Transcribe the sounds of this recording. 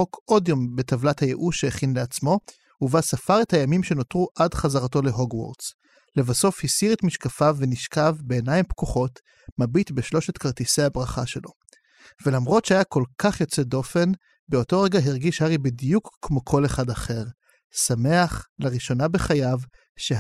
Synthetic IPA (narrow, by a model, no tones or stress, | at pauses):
okʔo̞djo̞mbe̞tavlathaje̞ʔuʃeːχinleat͡smo̞ | uvasafaʁe̞thajamimʃe̞no̞tʁuʔadχazaʁato̞le̞ɦoɡwo̰ʁtz | le̞vaso̞fhisiʁetmiʃkafaveniʃkavbe̞ːnajimpkuχo̞t | mabitbeʃlo̞ʃetkaʁt̪isejabʁaχa̰ʃe̞lo̞ | velamʁo̞tʃeajako̞lkʰaχjo̞t͡se̞do̞fe̞n | beo̞to̞ʁe̞ɡaɦiʁɡiʃhaʁibidijukːmo̞kʰo̞le̞χadaχe̞ʁ | same̞aχlaʁiʃo̞nabe̞χajav | ʃe